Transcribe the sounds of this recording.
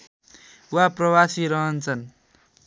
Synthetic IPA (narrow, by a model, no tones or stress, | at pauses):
waprʌwasiɾʌɦʌnt͡sʰʌn